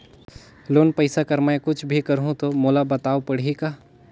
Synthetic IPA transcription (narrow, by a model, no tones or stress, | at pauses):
loːnpəɪsakɐɾmɛkʊt͡ʃʰbʱikəɾɦũt̪omoːlabɐt̪aːopɐɽ̤ika